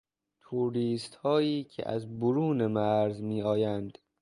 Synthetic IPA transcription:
t̪ʰuɾiːst̪hɒːiːcʰḛʔæ̰zboɾuːnemæɾzmiːɒːjænd̪̥

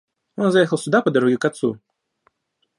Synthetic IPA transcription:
jɔnzajɛxəlˠsʲud̪apɐd̪aɾɔɣʲikat̪sṵ

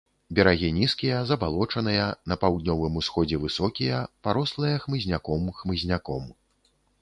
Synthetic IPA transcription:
bʲɛɾaɣʲinʲiskʲijɐzɐbalˠɔt͡ʂɐnɨjɐnɐpawd̪nʲɔvɨmusxɔd͡zʲɛvɨsɔkʲijɐpaɾɔslˠɨjɐxmɨzʲnʲakɔmxmɨzʲnʲakɔm

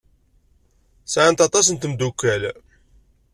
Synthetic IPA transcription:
sʕant̪ɑt̪ˤɑsənt̪əmd̪ukːæl

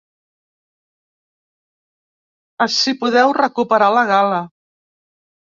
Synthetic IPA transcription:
əsipuðɛwrəkupəɾaləɣalə

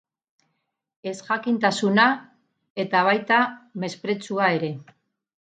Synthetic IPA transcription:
e̞sʝakint̪asuna | e̞t̪aβ̞ajt̪ame̞spɾe̞t͡suae̞ɾe̞

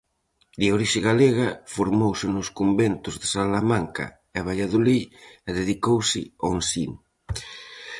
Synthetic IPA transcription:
d̪eoɾiʃɪɣaleɣafoɾmowsɪnʊskombent̪ʊzðesalamaŋka̰ | eaβ̞ajaðoliɛðeðikowsɪonsin

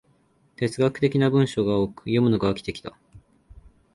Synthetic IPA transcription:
t̪e̞t͡sɨɡakɯ̟̥t̪e̞kʲinabɯ̟̃ɰ̃ɕo̞ɡaoːkɯ̟̥jo̞mɯ̟no̞ɡaːkʲi̥t̪e̞kʲi̥t̪a

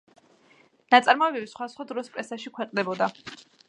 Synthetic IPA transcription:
nat̪sʼaɾmɔɛbɛbisχwasχwad̪ɾɔspʼɾɛsaʃikʰwɛqʼd̪ɛbɔd̪a

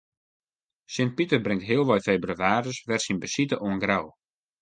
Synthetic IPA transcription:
sɪnt̚pitərbrɪŋtɦiəlˠʋɔjfeːbryaːrəsʋɛrsinbəsitəʔuənɡraw

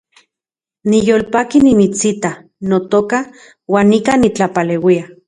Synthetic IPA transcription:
nijoːlpakinimit͡sit̪a | not̪oka | waːnːikanit͡ɬapaleːwia

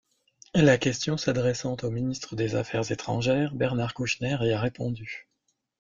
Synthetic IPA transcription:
lakʲɛst̪jɔ̃sad̪ʁɛsɑ̃t̪ominist̪χəd̪eza̰fɛʁzet̪χɑ̰̃ʒɛːʁbɛʁnaʁkuʃnɛʁeaʁepɔ̃d̪y

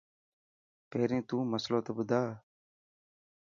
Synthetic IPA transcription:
peːɾẽːt̪ũːməslõːt̪əbʊd̪ʱaː

